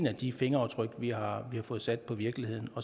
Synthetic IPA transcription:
næd̥ife̝ŋɐɑ̈ʊt͡sʰʁœɡ̥ʋihɑ̈ʋihɑ̈fɔ̽ːð̞̩ˠsæd̥̚pʰɒ̽ʋiɐɡ̥lihe̝ð̞̰ˠn̩ɒ̽

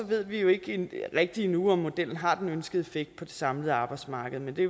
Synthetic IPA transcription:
ɒ̽ʋe̝ð̞̰ˠʋijo̝e̝ɡ̥ʁɛɡ̥̚d̥inuɒ̽mːo̝d̥el̰n̩ɦɑ̈d̥enønsɡ̥əð̩ˠe̝feɡ̥̚d̥̚pʰɒ̽d̥e̝sɑ̈mləð̞̩ˠɑ̈ːb̥ɑ̈ɪd̥smɑ̈ːɡ̥əð̞̩ˠmend̥e̝

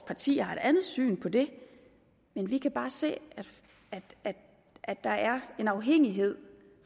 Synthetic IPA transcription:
pʰɑ̈t͡sʰḭːhɑ̈e̝d̥ænð̞̩ˠsy̰ːnpʰɒ̽d̥e̝ | menʋikʰæb̥ɑ̈ːse̝̰ːæ̥ | æ̥æ̥ | ʔæ̥ɑ̈æɐe̝nɑ̈ʊɦeŋ̰iɦe̝ð̞̰ˠ

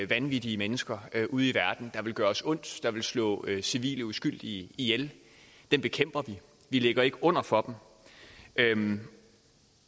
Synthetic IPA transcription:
ʋænʋid̥iəmenəsɡ̥ɐʔuð̞ˠiʋæɐd̥n̩d̥ɑ̈ʋe̝lɡ̥ɶːɐɒsɔ̽n̰d̥d̥ɑ̈ʋe̝lslɔ̰̽ːsiʋḭːləusɡ̥yl̰d̥iəijel | d̥enb̥e̝kʰem̰b̥ɐʋi | ʋile̝ɡ̥ɐe̝ɡ̥əɔ̽n̰ɐfɒ̽d̥m̩ | ø

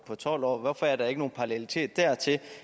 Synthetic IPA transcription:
pʰɒ̽t͡sʰɒl̰ɒ̰ːʋɒfɒæɐɾ̥ɑ̈e̝ɡ̥əno̝ːn̩pʰɑ̈lelit͡sʰe̝̰ːd̥ːæɐ̰t͡sʰe̝

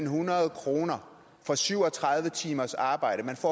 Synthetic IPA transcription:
nɦunɐð̞ˠkʰʁo̝ːnɐ | fɒ̽syʊɒ̽t͡sʰʁɑ̈ðˠʋət͡sʰiːmɐsɑ̈ːb̥ɑ̈ɪ̰ɾ̥əmænfɒ̰

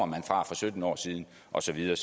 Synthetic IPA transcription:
ɐmænfʁɑ̈fɒ̽sød̥n̩ɒ̰ːsiːð̞ˠn̩ | ʔɒ̽sɒ̽ʋiðˠɐːs

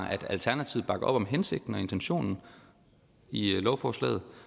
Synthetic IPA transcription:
ʔæd̥ælt͡sʰæɐnæt͡sʰiʊb̥ɑ̈ɡ̥ɐʔɒ̽b̥ɒ̽mɦense̝ɡ̥̚d̥n̩ɒe̝nt͡sʰenɕo̝̰ːnn̩ | ilɒʊfɒːslɛ̰ːð̞̩ˠ

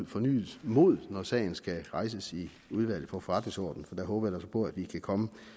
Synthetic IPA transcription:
fɒ̽ny̰ːð̩ˠmo̝ð̞̰ˠnɒsɛ̰ːɪn̩sɡ̥æʁɑ̈ɪsəsi | uð̞ˠʋæl̰ð̩ˠfɒ̽fɒʁɑ̈d̥ne̝ŋsɒ̰ːd̥n̩fɒ̽d̥æɦɔ̽ːb̥ɐjæd̥æsɒ̽pʰɔ̽æd̥ʋikʰækʰɒ̽mə

